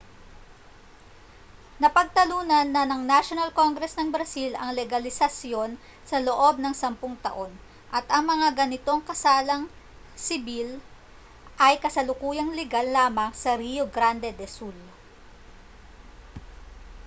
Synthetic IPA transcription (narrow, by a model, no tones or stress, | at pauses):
nɐpɐɡ̚t̪ɐluːnɐnːɐnɐŋnaʃonɐlko̞ŋɡɾɛsnɐŋbɾɐsilɐ̰ŋlɛɡɐlɪsɐsjo̞n | sɐloʔo̞b̚nɐŋsɐmpʊŋt̪ɐ̰ʔo̞n | ʔɐt̪ɐŋmɐŋaɡɐnɪt̪o̞ŋkɐsaːlɐŋ | sɪbil | ʔɐjkɐsɐlʊkuːjɐŋlɛɡalːaːmɐŋsɐɾijoɡɾand̪ɛd̪ɛsul